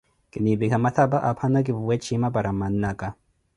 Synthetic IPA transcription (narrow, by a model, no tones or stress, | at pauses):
kʼɪnibikamat̪ʰabaʔapʰanaɡɪbuwɛt͡ʃːimabaɾamanːakʼa